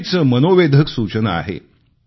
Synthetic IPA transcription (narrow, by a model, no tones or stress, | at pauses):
t͡səmənoʋed̪ʱəksut͡ɕənaa̰ɦḛ